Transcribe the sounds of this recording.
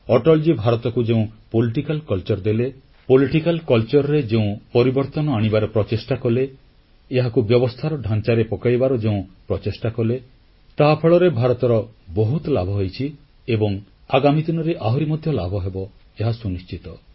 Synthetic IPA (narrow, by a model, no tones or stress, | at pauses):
ɔʈɔld͡ʒibʱaɾɔt̪ɔkud͡ʒeũpoliʈikalkɔlt͡ʃɔɾd̪ele | poliʈikalkɔlt͡ʃɔɾɔɾed͡ʒeũpɔɾibɔɾt̪ɔnɔaɽ̃ibaɾɔpɾɔt͡ʃesʈakɔleː | ɦakubjɔbɔst̪ʰaɾɔɖʱant͡ʃaɾepɔkajbaɾɔd͡ʒeũpɾɔt͡ʃesʈakɔle | t̪aɦapʰeɭɔɾebʱaɾɔt̪ɔɾɔboɦut̪labʱɔɦojt͡ʃʰi | ebɔŋ | aɡamid̪inɔɾeʔaɦɔɾimɔd̪ʱjɔlabʱɔɦebɔ | eɦasunist͡ʃit̪ɔ